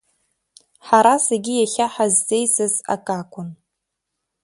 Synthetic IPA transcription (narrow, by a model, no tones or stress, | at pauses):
ħaɾaseɡʲijaχʲaħazːejsɨza̰kʼakʷʰʼʊn